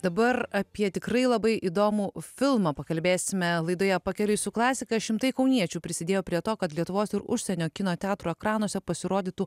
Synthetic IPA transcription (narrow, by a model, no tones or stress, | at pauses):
d̪ɐbɐrɐpʲiɛt̪ʲɪkɾɐɪlˠɐbɐɪʔid̪oːmufʲɪlˠmɑpɐkɐlʲbʲeːsʲɪmʲɛlˠɐɪd̪oːjɛpɐkʲɛlʲʊsʲʊklˠɑːsʲɪkɐʃʲɪmt̪ɐɪkɐʊnʲiɛt͡ʃʲuːpʲɾʲɪsʲɪd̪ʲeːjoːpʲɾʲiɛt̪oːkɐt̪lʲiɛt̪ʊʋoːsɪɾʊ̰ʃʲsʲɛnʲoːkʲɪnoːt̪ʲɛaːt̪ɾuːɛkɾɑːnoɔsʲɛpɐsʲɪɾoːd̪ʲiːt̪u